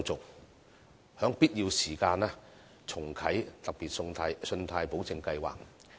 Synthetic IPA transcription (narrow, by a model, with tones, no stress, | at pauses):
t͡sʊ˨k̚ | hœː˨˥ŋpiː˥t̚jiː˧wsiː˨˩kaː˧nɛː˥ | t͡sʰʊ˨˩ŋkʰɐ˨˥jt̪ɐ˨k̚piː˨t̚ːsɵ˧nt̪ʰaː˧jpo˨˥wt͡sɪ˧ŋkɐ˧jwa̰ː˨k̚